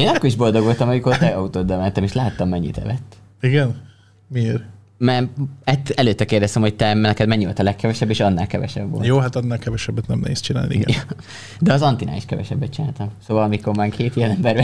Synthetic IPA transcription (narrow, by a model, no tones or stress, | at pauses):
eːnɒkːoɾiʒbo̞ld̪o̞ɡʋo̞lt̪ɒmɒmiko̞rt̪ɛɒut̪oːd̪ːɒmɛnt̪ɛmeːʃlaːt̪ːɒmːɛɲːḭt̪ɛ̰vɛt̪ː | iɡɛn | mieːɾ | mɛɛt̪ːɛløːt̪ːɛkeːrd̪ɛst̪ɛmho̞c̚t̪ɛnɛkɛd̪mɛɲːivolt̪ɒlɛkːɛvɛʃɛbːeːʃɒnːaːlkɛvɛ̰ʃɛ̰bːo̰lj̪joːɦat̪ɒnːaːlkɛvɛʃɛbːɛt̪nɛmnɛ̰ɦeːst͡ʃina̰ːlniḭɡɛ̰j | d̪ɛɒzɒnt̪inʔa̰ːiʃkɛvɛ̰ʃɛbːɛt̪̚t͡ʃina̰ːlt̪ɒmsoːvɒlɒmiko̞rmaːkʰeːt̪ijɛnɛmbɛrvɛ